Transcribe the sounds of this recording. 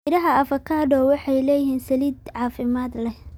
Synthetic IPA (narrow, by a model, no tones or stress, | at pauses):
ɾɐɦɐɐfɐkʰaːdɔːwɑħɑjlɛːjɪɦiːnsɐliːd̪ʕɑːfɪmaːd̪lɛ